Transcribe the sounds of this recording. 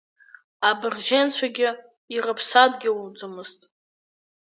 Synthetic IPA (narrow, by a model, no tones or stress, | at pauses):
abɨrʒent͡sʷʰaɡʲɪ | irɨpʰsadɡʲɪud͡zɨmɨztʼ